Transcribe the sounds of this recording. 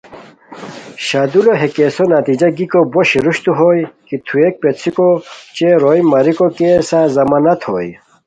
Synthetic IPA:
ɕaːd̪uloɦekeːsonɐt̪id͡ʑɐɡikoboɕiɾuɕt̪uɦoːjkit̪ʰuek̚pet̪t͡sʰikot͡ɕeɾojmɐɾikokesazɐmaːnɐt̪ʰho̰ːj

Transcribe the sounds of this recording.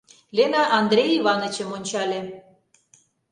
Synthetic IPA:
lʲenɑʔɑnd̪ɾʲejiβɑnət͡ɕəmonʲt͡ɕɑlʲĕ

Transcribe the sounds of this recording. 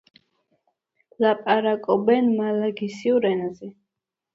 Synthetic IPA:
lapʼaɾakʼɔbɛnmalaɡisiuɾɛnazɛ

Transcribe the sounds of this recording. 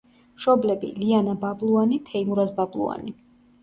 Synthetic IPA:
mʃɔblɛbḭlianabablˠuanit̪ʰɛimuɾasbablˠṵa̰ni

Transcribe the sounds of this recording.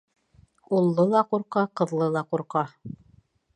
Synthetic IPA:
ulˠːɤlˠɑquɾqɑqɤ̆ðlˠɤlˠɑquɾqɑ

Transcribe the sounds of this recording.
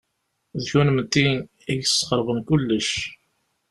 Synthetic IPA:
ðçunəmət̪ːin | iʝssːqəɾʁənkʊlːəʃ

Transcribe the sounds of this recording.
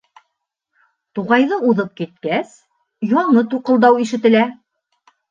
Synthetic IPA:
t̪uʁɑjðɤuðɤp̚kit̪̚kæs | jɒɴɤt̪uqɤ̆lˠd̪ɑwiʃɘ̆t̪ɘ̆læ

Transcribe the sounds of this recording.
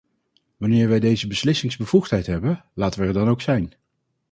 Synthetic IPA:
ʋɑnɪːɹʋɛjdejzəbəslɪsɪŋzbəv̥uχtɦɛjtɦɛbənlaːtəʋəɛɹdɑnowksɛjn

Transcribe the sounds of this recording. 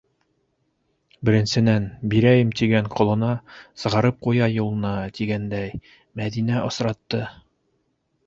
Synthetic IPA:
bɘ̆ɾɘ̆nsɘ̆nænbiɾæjɘmt̪iɡæɴqʰŏlˠɤ̆nɑsɤ̆ʁɑɾɤp̚qujɑjulˠɤ̆nɑt̪iɡænd̪æj | mæðinæʔŏsɾɑt̪ːɤ

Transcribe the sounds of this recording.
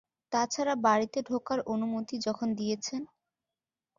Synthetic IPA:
t̪at͡ɕʰaɾabaɾit̪eɖʱokaɾonumot̪id͡ʑɔkʰond̪ijet͡ɕʰen

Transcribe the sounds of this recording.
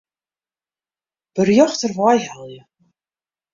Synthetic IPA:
b̥ərjɔxtərvɑjɦalˠjə

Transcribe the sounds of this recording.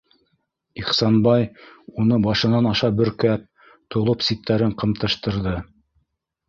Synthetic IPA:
iχsɑnbɑjunɤbɑʃɤ̆nɑnɑʃɑbɵ̆ɾkæp̚ | t̪ŏlˠɤpsit̪ʰːæɾɘɴqɤ̆mt̪ɤ̆ʃt̪ɤ̆ɾðɤ

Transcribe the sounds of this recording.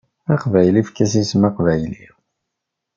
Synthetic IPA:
ɑqvæjlifkæsismɑqvæjlḭ

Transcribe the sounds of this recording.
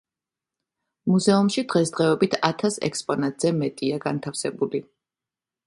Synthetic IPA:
muzɛumʃid̪̥ʁɛsd̪ʁɛɛbit̪ʰat̪ʰasɛ̰kspʼɔnat̪ʼz̥ɛmɛt̪ʼiaɡant̪ʰafsɛbuli

